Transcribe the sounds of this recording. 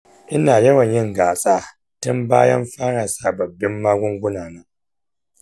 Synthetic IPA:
ʔɪ˦naː˨jɐ˦wɐ˨ɲjɪ˦ŋɡaː˨sʼaː˦ | tʊ˦mba̰ː˦jɐ˦mɸaː˦ɽaː˨saː˨bɐ˨bːɪ˦mːaː˦ɡʷʊ˦ŋɡʷʊ˦naː˨nɐ˦ŋ

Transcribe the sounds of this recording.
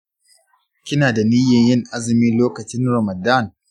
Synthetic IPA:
kʲɪ˦naː˨da˨ni˦jɐ˨jɪ˦ŋʔa˦zɪ˨miː˦loː˦kɐ˨t͡ʃɪ˦nɾɐ˨mɐ˨da˦˨n

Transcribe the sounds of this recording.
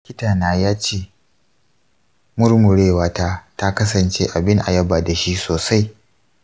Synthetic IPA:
ɪ˦kʲɪ˦taː˨naː˨jaː˦t͡ʃeː˦ | mʊ˦rmʊ˨ɽeː˦˨waː˦taː˦ta˦kɐ˦sɐ˨nt͡ʃeː˦ʔa˨bɪ˦ŋʔa̰˨jɐ˦baː˨da˨ʃi˦soː˨sa˦j

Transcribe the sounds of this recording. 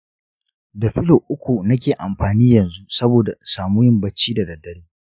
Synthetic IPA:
da˨ɸɪ˦lo˨ʔʊ˦kʷu˨nɐ˦k̬ʲeː˨ʔa˨mɸaː˨niː˦jɐ˨nzu˦sɐ˦boː˨da˨ʔsaː˨muː˦jɪ˦mbɐ˦t͡ʃːiː˦da˨dɐ˨dːɐ˦ɽiː˦

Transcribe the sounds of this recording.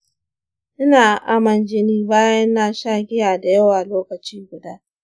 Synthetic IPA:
ʔɪ˦naː˨ʔa˦mɐ˨nd͡ʒɪ˦niː˦baː˦jɐ˦nːaː˨ʃaː˦ɡʲɪ˦jaː˨da˨jɐ˦waː˨loː˦kɐ˨t͡ʃiː˦ɡʷʊ˨daː˦

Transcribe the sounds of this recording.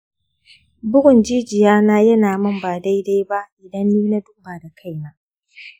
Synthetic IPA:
bʊ˦ʔʊ˨nd͡ʒiː˦d͡ʒɪ˨jaː˦naː˦jɐ˦naː˨mɐ˦mbaː˨da˦jda˦jba˦ʔʔɪ˨dɐ˦nːiː˦na˦dʊ˦mbaː˨da˨kʰa˦˨jna˦

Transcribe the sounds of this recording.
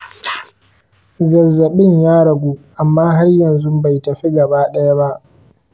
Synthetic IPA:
zɐ˨zɐ˨ɓɪ˦ɲjaː˦ɽɐ˨ɡʷuː˦ʔa˨mːaː˦ɦa˦rjɐ˨nzʊ˦ba˨jtɐ˨ɸi˦ɡɐ˨baː˦ɗɐ˦ja˦ba˦ʔ

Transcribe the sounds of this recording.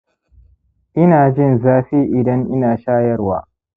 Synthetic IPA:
ʔɪ˦naː˨d͡ʒɪ˦˨nzaː˦ɸiː˦ʔɪ˨dɐ˦ŋʔɪ˦naː˨ʃaː˦jɐ˦rwa̰ː˦

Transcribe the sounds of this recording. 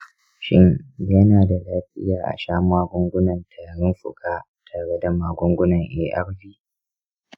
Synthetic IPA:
ʃɪ̰˦njɐ˦naː˨da˨laː˦ɸɪ̰˦jaː˨ʔa̰˨ʃaː˦m˦waː˦ɡʷʊ˦ŋɡʷʊ˦nɐ˨ntʰaː˨ɽɪ˦mɸʊ̰˨kʼaː˦ | tʰa˨ɽɛ˦da˨maː˨ɡʷʊ˦ŋɡʷʊ˦nɐ˨ŋʔḛː˦ʔa̰˦ɽbiː˦

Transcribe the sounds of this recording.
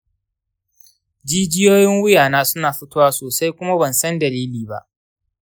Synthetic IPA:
d͡ʒiː˦d͡ʒɪ˦joː˦jɪ˦ŋwʊ˦jaː˨naː˦sʊ˦naː˨ɸɪ˦toː˦waː˦soː˨sa˦jkʷʊ˦ma˦bɐ˨nsɐ˦ndɐ˨liː˦liː˨ba̰˦ʔ

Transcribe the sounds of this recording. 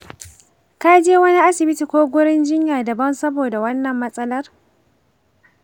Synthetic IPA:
kaː˦d͡ʒeː˦wɐ˦ni˦ʔa˦sɪ˨bɪ˦ti˨kʷoː˦ɡʷʊ˦ɽɪ˦nd͡ʒɪ˦ɲjaː˨dɐ˨bɐ˦nsɐ˦boː˨da˨wɐ˦nːɐ˨mːɐ˦sʼɐ˦lɐ˦r

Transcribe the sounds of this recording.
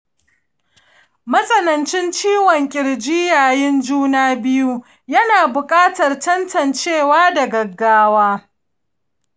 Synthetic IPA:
mɐ˦sʼɐ˦nɐ˨nt͡ʃɪ˦nt͡ʃiː˦wɔ˨ŋkʲʼɪ˨ɽd͡ʒiː˦jaː˨jɪ˦nd͡ʒuː˦naː˦bɪ˦ju˦ | jɐ˦naː˨bʊ˨kʼaː˦tɐ˨rtɐ˦ntʰɐ˨nt͡ʃeː˦˨waː˦dɐ˨ɡɐ˨ɡːaː˦waː˦

